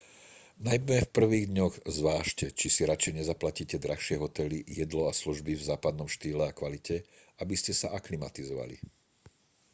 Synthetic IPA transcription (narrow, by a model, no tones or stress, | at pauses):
najmɛmɛfpr̩ʋiːɣd̪ɲɔɣzʋaːʃcɛt͡ʃisiɾat͡ʃɛjɲɛzaplaciːcɛd̪ɾaxʃɪɛɦɔt̪ɛlijɛd̪lɔasluʒbivzaːpad̪̚nɔmʃt̪iːlɛakʋalicɛ | abiscɛsaʔaklimat̪izɔʋa̰lḭ